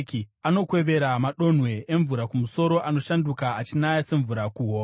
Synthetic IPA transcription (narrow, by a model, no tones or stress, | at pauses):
kiano̞kwe̞ʋe̞ɾamaɗo̞n̤we̞eɱvuɾakumuso̞ɾo̞ʔano̞ʃandukaːt͡ʃinajase̞ɱvuɾakuɦoː